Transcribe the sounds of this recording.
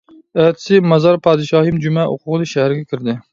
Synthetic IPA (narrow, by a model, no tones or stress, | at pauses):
æt̪ʰɪ̥sɪmɑzɑɾpʰɑːd̪ɨʃɑːhɨmd͡ʒumɛʔo̰qʰʊʁlˠɨʃæhæɾɪɡʲɛkʲʰiɾd̪ɪ